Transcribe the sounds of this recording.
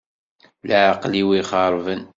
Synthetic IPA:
lʕqliwiχɑɾˤvən

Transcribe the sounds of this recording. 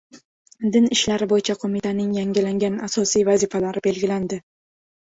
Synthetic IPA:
d̪ɪnɪʃlaɾɪbojɪt͡ʃʰaqʰomɪt̪ʰanɪŋjaŋɡʲɪlaŋɡʲanasɒsijvazifalaɾɪbe̞lɡʲɪland̪ɪ

